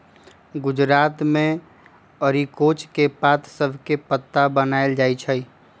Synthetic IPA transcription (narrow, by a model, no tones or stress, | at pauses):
ɡʊd͡ʒɾat̪mẽ | əɾikot͡ʃkepat̪səbʱkepət̪ːabənaeld͡ʒajt͡ʃʰə